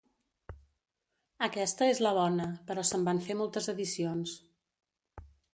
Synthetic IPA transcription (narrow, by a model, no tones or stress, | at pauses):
əkɛst̪əezləβ̞ɔnəpəɾɔsəmbaɱfemolˠt̪əzəðisions